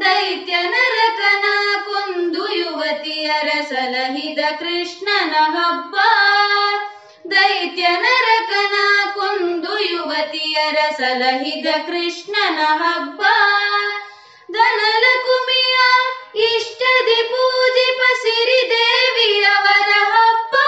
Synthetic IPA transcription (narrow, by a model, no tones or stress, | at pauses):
d̪ɐjt̪jɐnɐɾɐkɐnakond̪ujuʋɐt̪ijɐɾɐsɐlɐɦid̪ɐkɾɪʂɳɐnɐɦɐbːɐ | d̪ɐjt̪jɐnɐɾɐkɐnakond̪ujuʋɐt̪ijɐɾɐsɐlɐɦid̪ɐkɾɪʂɳɐnɐɦɐbːɐ | d̪ɐnɐlɐkumijɐiʂʈɐd̪ipuːd͡ʒ̪ipɐsiɾid̪eːʋijɐʋɐɾɐɦɐbːɐ